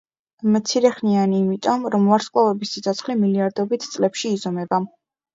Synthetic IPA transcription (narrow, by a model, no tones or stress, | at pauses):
mt̪sʰiɾɛχnianiːmit̪ʼɔmɾɔmvaɾsqkʼlˠavɛbisit̪sʰɔt̪sʰχlimiliaɾd̪ɔbit̪ʰt̪sʼlɛpʃiːzɔmɛba